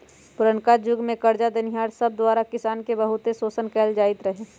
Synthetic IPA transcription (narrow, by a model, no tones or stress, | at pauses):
pʊɾənkad͡ʒʊɡmẽkəɾd͡ʒad̪ənɪɦaːɾsəb̚d̪waːɾakɪsaːnkebəɦʊt̪esoːsənkɛːld͡ʒaːɪt̪ɾəɦeː